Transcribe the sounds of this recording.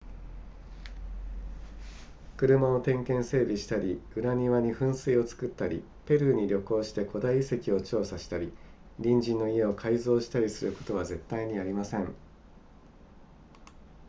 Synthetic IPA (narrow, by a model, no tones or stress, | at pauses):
kɯ̟ɾɯ̟mao̞t̪ẽ̞ŋkẽ̞ɰ̃se̞ːbʲiɕi̥t̪aɾʲiɯ̟ɾaɲ̟iβaɲ̟iɸɯ̟̃ɰ̃sɨio̞t͡sɨ̥kɯ̟t̪ːaɾʲḭ | pe̞ɾɯ̟ɲ̟iɾʲo̞ko̞ːɕi̥t̪e̞kʰo̞d̪aiːse̞kʲio̞t͡ɕo̞ːsaɕi̥t̪aɾʲi | ɾʲĩɲd͡ʑĩnːo̞ie̞o̞kʰaizo̞ːɕi̥t̪aɾʲisɨɾɯ̟ko̞̥t̪o̞βaze̞t̪ːaiɲ̟iaɾʲimasẽ̞ɴ